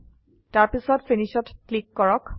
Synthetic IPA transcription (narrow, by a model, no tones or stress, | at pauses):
taɹpisɔtfʰeniʃɔtklikːɔɹɔk